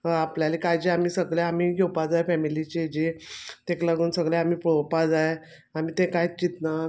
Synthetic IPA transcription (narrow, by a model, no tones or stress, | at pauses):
apljalikajd͡ʑiamiːsəɡɭjeamiɡewpad͡zajfɛmilit͡ɕed͡ʑet̪eklaɡuːnsəɡɭeamiːpɽopad͡zaje | amiːt̪ẽkajt͡ɕit̪na